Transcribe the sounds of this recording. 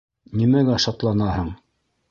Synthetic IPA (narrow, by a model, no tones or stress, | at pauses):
nimæɡæʃɑt̪lˠɑnɑhɤɴ